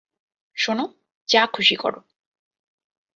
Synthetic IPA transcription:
ʃono | t͡ɕakʰuʃikɔ̰ɾo

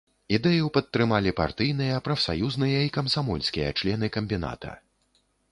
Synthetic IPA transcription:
id̪ɛjɐwpɐt̪ːɾɨmalʲipa̰rt̪ɨjn̪ɨjɐpɾɐfsa̰juznɨjɐikɐmsamɔlʲsʲkʲijɐ̰t͡ʂlʲɛnɨkɐmʲbʲina̰t̪ɐ̰

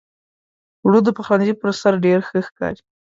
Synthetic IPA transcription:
wɽud̪əpaxwanzipəɾasaɾɖeɾxəxkɑ̰ɾi

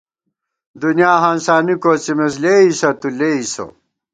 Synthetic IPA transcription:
d̪unjaːɦãːnsaːnikoːt͡simes̬leːisɐt̪uleːiso̰

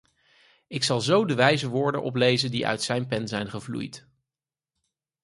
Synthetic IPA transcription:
ɪksɑlˠzowdəʋɛjzəʋʊːɹdə̰nʔɔ̰p̬lejzəndḭʔœ̰ɥtsɛjnpɛnzɛjnχəvlṵjt

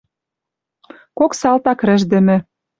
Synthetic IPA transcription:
koksɑlt̪ɑkɾɘ̆ʒd̪ɘ̆mɘ̆

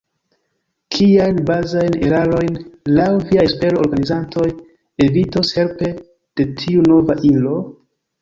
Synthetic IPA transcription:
kʰiajnbazajne̞̰ɾaɾo̞jnlawviajespe̞ɾooɾɡanizantʰo̞j | e̞vitoshe̞lpe̞ | d̥e̞tʰiuno̞vaʔilo̞

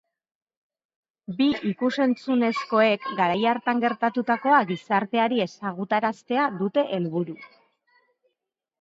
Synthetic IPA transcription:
biikuse̞nt͡sune̞sko̞e̞kɡaɾajaɾt̪aŋɡe̞ɾt̪at̪ut̪ako̞aɣisaɾt̪e̞aɾie̞saɣut̪aɾast̪e̞aðut̪e̞ʔelβuɾu

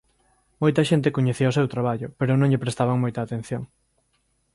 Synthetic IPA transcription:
mojt̪ɐʃent̪ekoɲeθiɐosewt̪ɾaβ̞aʎʊpeɾʊnõŋʎepɾest̪aβaŋmojt̪aːt̪ẽn̟θjoŋ

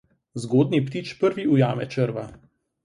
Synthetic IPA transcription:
zɡoːd̪nipt̪iːt͡ʃpəɾʋiujaːmɛ̰t͡ʃəɾʋa

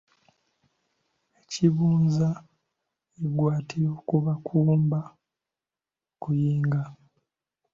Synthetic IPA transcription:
eciβuːnza | eɡwaːtiɾoːkuβakʰuːmba | okujiːŋɡa

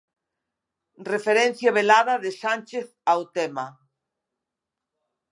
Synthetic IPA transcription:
refeɾẽn̟θjaβ̞elaðaðesanʲt͡ʃeθawt̪ema

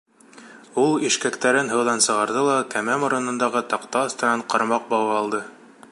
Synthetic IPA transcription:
ulˠiʃkækt̪æɾɘnɦɤ̆wðɑnsɤ̆ʁɑɾðɤlˠɑkæmæmŏɾɤ̆nɤ̆nd̪ɑʁɤt̪ɑqt̪ɑːst̪ɤ̆nɑɴqɑɾmɑq̚bɑwɑɑlˠd̪ɤ

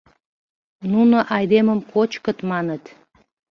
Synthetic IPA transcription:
nunoʔɑjd̪eməmkot͡ɕkət̪mɑnət̪

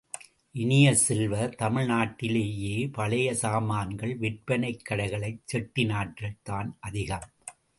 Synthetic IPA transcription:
ʔɪnɪjɐsɛlʋɐt̪ɐmɪɭnaːʈːɪleːjeːpɐɭɐjɐsaːmaːnɡɐɭʋɪʈ̚pɐnɐɪkːɐɽɐɪɣɐɭɐɪt͡ʃːɛʈːɪnaːʈrɐt̪aːnʔɐðɪɣɐm

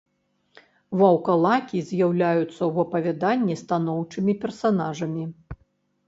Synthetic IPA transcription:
vɐwkalˠakʲizʲjawlʲajut̪sːɐwvɐpɐvʲad̪anʲːist̪anɔwt͡ʂɨmʲipʲɛrsanaʐɐmʲi

